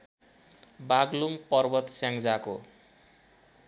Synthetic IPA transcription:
baɡlumpʌrbʌt̪sjaŋd͡zako̰

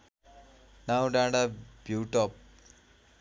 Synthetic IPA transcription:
nawɖãːɖabjuːʈɔp̚

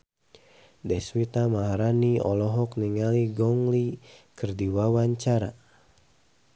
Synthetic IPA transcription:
dɛswit̪amaɦaɾaniɔ̰lɔɦɔkniŋaliɡɔŋlikɨrdiwawaɲt͡ʃaɾa

